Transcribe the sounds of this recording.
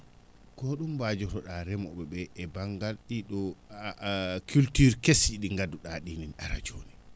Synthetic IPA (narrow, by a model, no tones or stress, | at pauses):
kɔɗumbad͡ʒɔɾɔɗaɾɛmɔɓɛɓɛʔɛbaŋɡalɗiɗɔ | kʰultyɾkesiɗiŋɡaduɗaɗinina̰ɾa̰d͡ʒoːni